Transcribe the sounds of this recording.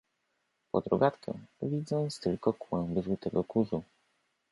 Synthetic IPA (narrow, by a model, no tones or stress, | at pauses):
pɔd̪ɾɔɡat̪kɛ̰vʲid̪zɔ̃ñst̪ɘlkɔkwɛ̃w̃bɘvut̪ɛɡɔkuʐu